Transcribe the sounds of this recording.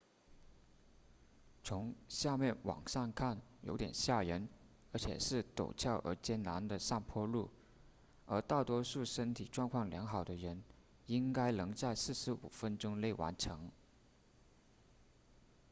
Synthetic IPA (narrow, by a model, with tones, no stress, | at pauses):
t͡sʰʊ˧˥ŋɕja˥˧mjɛ˥˩nwɑ̰˨˩ŋʂa˥˧nkʰa˥˩njo˧˥ʊt̪jɛ̰˨˩nɕja˥˩ɻə˧˥n | ə˞˧˥t͡ɕʰjɛ̰˨˩ʂɻ̩˥˩t̪o̰˨˩ʊt͡ɕʰjɑ˥˩ʊʔə̰˧˥t͡ɕjɛ˥nna˧˥nd̪ə˧ʂa˥˩ŋpʰwɔ˥lu˥˩ | ə˞˧˥t̪a˥˩ʊt̪wɔ˥ʂu˥˩ʂə˥nt̪ʰi˨˩ʈ͡ʂwɑ˥˧ŋkʰwɑ˥˩ŋljɑ˧˥ŋxɑ˨˩ʊd̪ə˦ɻə˧˥n | i˥ŋka˥ɪlɤ˧˥ŋt͡sa˥˧ɪsɹ̩˥˩ʂɻ̩˧˥ṵ˨˩fə˥nʈ͡ʂʊ˥ŋle˥˩ɪwa̰˧˥nʈ͡ʂʰɤ˧˥ŋ